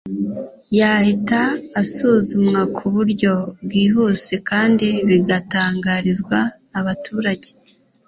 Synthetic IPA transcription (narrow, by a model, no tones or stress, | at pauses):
jaːhitaːsuːzumŋakʰuβuɾɟo̞bɡiːɦuse̞kaːndiβiɡataːŋɡaɾizɡwaːβatʰuːɾaɟe